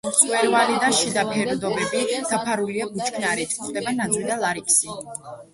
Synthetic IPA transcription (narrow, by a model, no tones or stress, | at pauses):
sʼqʼwɛɾvalid̪aʃid̪apʰɛɾd̪ɔbɛbid̪̥apʰaɾuliabut͡ʃkʰnaɾɛt̪ʰχd̪ɛbanad̪zɾid̪alˠaɾikʰsi